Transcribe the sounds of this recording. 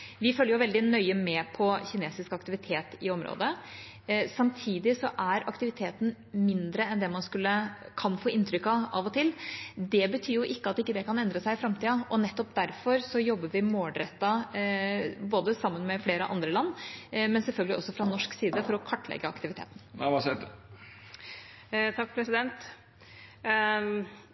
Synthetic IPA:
ʋɪfœlːəɾjʊʋɛld̪ɪnœʏəmɛpʰɔçɪneːsɪskɑkt̪ɪʋɪt̪ʰeːt̪ɪɔmɾo̰ːd̪ə | sɑmt̪ʰiːd̪ɪsɔʔæɾɑkt̪ɪʋɪt̪ʰeːt̪n̩ | mɪnd̪ɾəɛnd̪ɛmɑnskʉlːə | kʰɑnfoːɪnt̪ʰɾʏkːɑɑʋɔt̪ʰɪlːd̪ɛbət̪ʰyːɾjʊʔɪkːəɑt̪ːɪkːəd̪ɛkɑnɛnd̪ɾəsæɪfɾɑmt̪iːɑʔɔnɛt̪ːɔpd̪æɾfɔɾsɔjɔbːəɾʋɪmoːlɖ̪ɾɛt̪ːɑ | boːd̪əsɑmːənmɛfleːɾə̰ʔɑ̰nd̪ɾəlɑnːmɛnsɛlfœlɡəlɪɔsːɔfɾɑnɔʂksiːd̪əfɔɾɔkʰɑʈːlɛ̰ɡəɑkt̪ɪʋɪt̪ʰḛːt̪n̩ʋɑs | t̪ʰɑkːpʰɾɛsɪd̪ɛnt̪

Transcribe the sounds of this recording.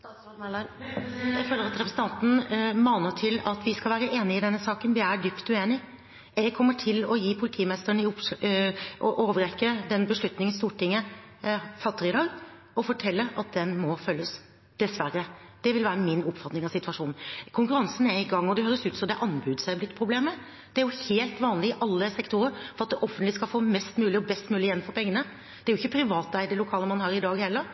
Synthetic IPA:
jæɪføːləɾɑt̪ɾɛpʰɾəsən̩t̪ɑnt̪n̩mɑːnəʈʰɪlɑt̪ʋɪskɑlʋæːɾəʔeːnɪɪd̪ɛnːəsɑːkənʋɪæɖʏpt̪ʉeːnɪ | ɛɡkʰɔmːəʈʰɪlɔjiːpʰʊlɪt̪ʰiːmɛst̪əəɳɪʊp | ʔɔʔoːʋəɾɛkːəd̪ɛnbəʂɭʉt̪nɪŋənst̪uːʈɪŋːə | fɑt̪ːəɾɪd̪ɑːɡ | ɔfɔʈʰɛlːəɾɑt̪̚d̪ɛnmɔfœlːəs | d̪̥ɛsʋæɾə | d̪̥ɛʋɪlʋæːɾəmɪnʊpfɑt̪nɪŋɑʋsɪt̪ʰʋɑʂuːnkʰʊŋkʉɾɑnsn̩æɪɡɑŋːɔd̪ɛhøːɾəsʉːt̪sɔd̪ɛʔɑnbʉːd̪sæɪblɪt̪ːpʰɾʊbleːmə | d̪̥ɛæɾjʊheːlt̪ʋɑːnlɪɪʔɑlːəsɛkt̪ʊɾəɾfɔɾɑt̪̚d̪ɛʔɔfənt̪lɪskɑlfoːmɛst̪mʉːlɪɔbɛst̪mʉːlɪjɛn̩fɔɾpʰɛŋːənə | d̪̥ɛæɾjʊɪçːəpʰɾɪʋɑːt̪æɪd̪ɛlʊkʰɑːləmɑnhɑːɾɪd̪ɑːɡhɛlːəɾ

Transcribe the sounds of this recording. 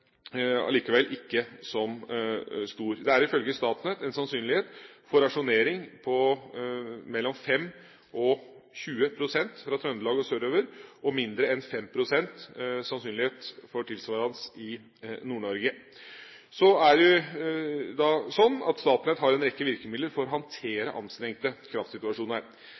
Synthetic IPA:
ɑ̰liːkəʋɛlʔɪkːəsɔm | st̪uːɾd̪ɛæɾɪfœlɡəst̪ɑːt̪nɛt̪ɛnsɑnsyːnlɪheːt̪fɔɾɑʂʊneːɾɪŋpʰɔ | mɛlːɔmfɛmː | ʔɔɕʉːəpʰɾʊsɛnt̪fɾɑt̪ʰɾœnd̪əlɑːɡəɔsøːɾøːʋəɾʔɔmɪnd̪ɾəɛnfɛmpʰɾʊsɛnt̪sɑnsyːnlɪheːt̪fɔʈʰɪlsʋɑːɾɑnsɪ | nuːɳɔɾɡə | sɔæɖʊ | d̪ɑsɔnːɑ̰t̪st̪ɑːt̪nɛt̪hɑɾɛnɾɛkːəʋɪɾkəmɪd̪ləɾfɔɾɔɦɑnt̪ʰeːɾə̰ʔɑ̰nst̪ɾɛŋkt̪əkʰɾɑft̪sɪt̪ʉɑʂuːnəɾ

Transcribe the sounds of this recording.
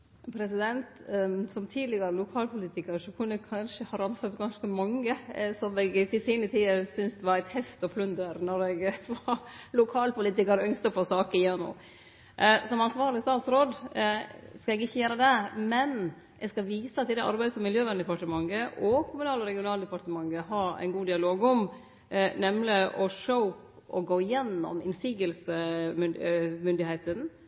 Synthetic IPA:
pʰɾɛsɪd̪ɛnt̪sɔmt̪ʰiːd̪lɪɡɑɾəlʊkʰɑːlpʰʊliːt̪ɪkɑɾəʂɔkʰʉnːəkʰɑnʂəhɑɾɑmsɑt̪ɡɑnskəmɑŋːəsɔmɛɡt̪ɪsiːnət̪ʰiːəɾsʏnsd̪ɛʋɑɾæɪt̪hɛft̪ɔpʰlʉnd̪əɾnɔɾɛɡʋɑlʊkʰɑːlpʊliːt̪ɪkɑɾəœŋst̪əfoːsɑːkəɪjɛnːʊ̰m | ʔsɔmɑnsʋɑːɾlɪst̪ɑːt̪sɾoːd̪ | skɑɛɡɪçːəjæːɾəd̪ɛmɛn | ʔɛɡskɑʋiːsəɑt̪ʰːɪld̪ɛʔɑ̰ɾbæɪsɔmːɪljøːʋænd̪əpɑʈəmɑŋːəʔɔkʰʊmʉnɑːlɔɾɛɡɪʊnɑːld̪əpɑɾt̪əmɑŋːəɦɑæ̰ɪnɡuːd̪ɪɑloːɡɔm | nɛmlɪʔɔʂəʊp | ɔɡoːɪjɛnːɔ̰mɪnsiːɡəlsəmʏmʏnd̪ɪhɛɪt̪ən

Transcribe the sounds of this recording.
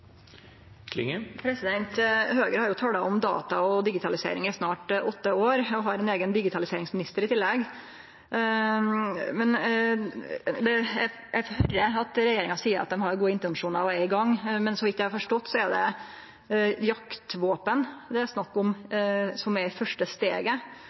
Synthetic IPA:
kʰlɪ̰ŋpʰɾɛsɪd̪ɛnt̪høːɡəɾhɑɾjʊt̪ʰɑːlɑɔmd̪ɑ̰ːt̪ɑɔd̪ɪɡɪt̪ʰɑlɪsḛːɾɪ̰ŋæsnɑːʈʔɔt̪ːəoːɾɔɦɑɾɛneːɡənd̪ɪɡɪt̪ʰɑlɪseːɾɪŋsmɪnɪst̪əɾɪt̪ʰɪlːɛɡ | mɛn | d̪ɛjæ | jæfhœɾːəɑt̪ɾɛjeːɾɪŋɑsiːəɾʔɑ̰t̪̚d̪ɛmɦɑɾjʊɡuːəɪnt̪ənʂuːnəɾɑʋæɪɡɑŋːmɛnsɔʋɪt̪jæɪhɑɾfɔʂʈɔt̪ːsɔɛd̪ɛ̰ | jɑkt̪ʋoːpənd̪ɛæɾsnɑkːʊmsɔmæɾfœʂʈəst̪ḛːɡə

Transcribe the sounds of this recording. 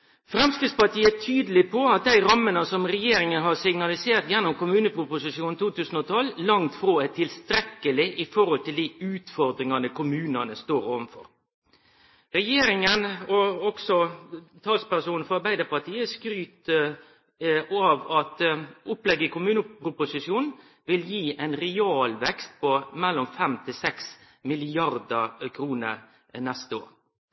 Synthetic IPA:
fɾɛmskɾɪt̪spɑʈ̪ʰiːəæt̪ʰyːd̪əl̩ɪpʰɔɑt̪̚d̪æɪɾɑmːənəsɔmɾɛjeːɾɪŋənɦɑɾsɪɡnɑlɪseːɾt̪jɛnːʊmkʊmʉːnəpʰɾʊpʊsɪʃuːnt̪ʰuːt̪ʰʉːsn̩ɔt̪ʰɔlːlɑŋt̪fɾoːæt̪ʰɪlst̪ɾɛkːəlɪʔɪfɔɾhɔlt̪ɪld̪iɪʉːt̪fɔɾd̪ɾɪŋɑnəkʰʊmʉːnɑnəst̪oːɾoːʋənfɔ̰ɾ | ɾɛjeːɾɪŋənɔɔksɔt̪ʰɑːlspæʁsuːn̩fɔɾɑɾbæɪd̪əpɑt̪iːəskɾyːt̪ə | ɑʋɑt̪ʊplɛɡəkʊmʉːnəpɾʊpʊsɪʃjuːn | ʋɪljiːʔɛɪnɾɛɑːlʋɛkst̪̚pʰɔmɛlːɔmfɛmt̪ʰɪsɛks | mɪlɪɑɾd̪əkʰɾuːnə̰ɾ | nɛst̪əo̰ːɾ

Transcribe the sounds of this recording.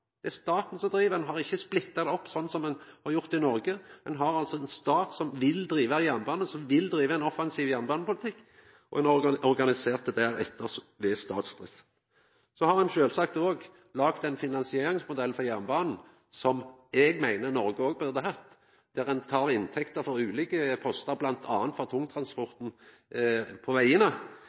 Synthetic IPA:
d̪̥ɛæst̪ɑːt̪n̩sɔmd̪ɾiːʋəɛnɦɑɾɪçːəsplɪt̪ːɑd̪ɛɔpːsɔnːsɔmɛnhɑɾjʊʁt̪ɪnɔɾɡəɛnɦɑɾɑlsɔɛnst̪ɑːt̪sɔmʋɪld̪ɾiːʋəjæʁnbɑːnəsɔmʋɪld̪ɾiːʋəɛnɔfɑnsiːʋjæʁnbɑːnəpʊlɪt̪ʰɪkː | ɔ̰ɛnɔɾɡɔɾɡɑnɪseːʁt̪əd̪æːɾɛt̪ːəʁʋɛst̪ɑ̰ːt̪sd̪ʁɪsə̥ | sɔhɑʁɛnʃøːlsɑk̚t̪oːɡ | lɑɡt̪ɛnfɪnɑnsɪeːɾɪŋsmʊd̪ɛl̩ːfɔʁjæʁnbɑːnn̩ | sɔmɛɡmæɪnəʁnɔɾɡəoːɡ̚bœʁd̪əɦɑt̪ː | d̪̥æʁɛnt̪ʰɑːʁɪnt̪ʰɛkt̪əɾfɔɾʉːliːkəpʰɔst̪əʁblɑnt̪ʰɑːnt̪fɔʁt̪ʰʊŋːt̪ʰʁɑnspɔʁt̪n̩ | pʰɔʋæɪənə

